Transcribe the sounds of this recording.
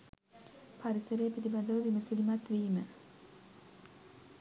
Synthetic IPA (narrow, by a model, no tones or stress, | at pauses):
paɾisəɾejəpid̪ibad̪əʋəʋiməsilimat̪ʋiːmə